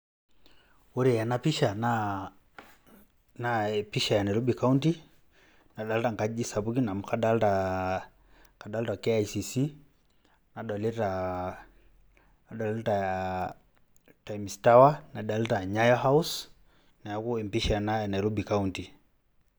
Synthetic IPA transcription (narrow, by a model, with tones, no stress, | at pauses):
u˦ɾi˨ja˨napi˦ʃa˨na | napiʃa˨ja˨nɛ˨ɾu˦bikaunti | na˨ɗa˨ltaŋka˦d͡ʒi˦sa˨bu˦ki˦na˨m̩kʰa˦da˦lta | ka˨ɗa˦lta˨kɛajsisi | na˨ɗɔ˨lɛ˦ta | a˨ɗɔ˨lɛtaa | tajmsta˦wana˨ɗa˨lta˨ɲajɔɦa˦us | na˨ja˨ku˦ɛ˨mpiʃanajanɛ˨ɾu˦bi˨kaunti˨